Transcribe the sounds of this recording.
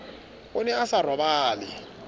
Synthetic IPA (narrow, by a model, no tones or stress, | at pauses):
ʊnɛasarwabaːlɪ